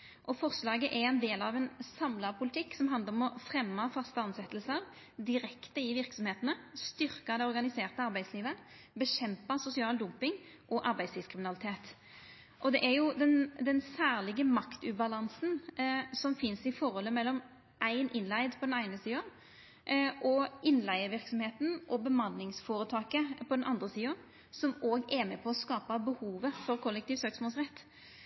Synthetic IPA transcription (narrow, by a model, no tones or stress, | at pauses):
ʔɔfɔʁslɑːɡəʔɛɾɛnd̪eːlɑʋɛnsɑmlɑpʰʊlɪt̪ʰɪkːsɔmɦɑnd̪əɾɔmɔfɾɛmːɑfɑst̪əɑnsɛt̪əlsəɾ | d̪ɪɾɛkt̪əɪʋɪʁksɔmheːt̪ənəst̪ʏɾkɑd̪ɛɔɾɡɑnɪseːʁt̪əɑɾbæɪsliːʋə | bəɕɛmpɑsʊsɪɑːld̪ʊmpɪŋ | ʔɔʔɑɾbæɪd̪sliːskʰʁɪmɪnɑlɪt̪ʰeːt̪ | ʔɔd̪ɛʔæɾjʊd̪ɛnd̪ɛnsæːʁlɪɡəmɑkt̪ʉːbɑlɑnsnsɔmfɪnsɪfɔɾɔlːəmɛlːɔm | ʔæɪnʔɪnlæɪd̪pʰɔd̪ɛnæɪnəsiːʊ | ʔɔɪnlæɪəʋɪɾksɔmheːt̪n̩ʔɔbəmɑnːɪŋsfoːɾət̪ʰɑːkəpʰɔd̪ɛnʔɑ̰nd̪ɾəsiːʊ | sɔmoːɡæɾmɛpʰɔɔskɑːpəbəhuːʋəfɔɾkʰɔlːɛk̚t̪iːʋfsøːksmɔːlsʁɛt̪ː